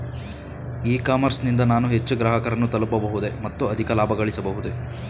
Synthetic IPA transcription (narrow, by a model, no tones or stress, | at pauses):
iːkaːmɐɾsnind̪ɐnaːnuɦet͡ʃːuɡɾaːɦɐkɐɾɐnːut̪ɐlɐpɐbɐɦud̪e̞mɐt̪ːuɐd̪ʱikɐlaːbʱɐɡɐɭisɐbɐɦud̪e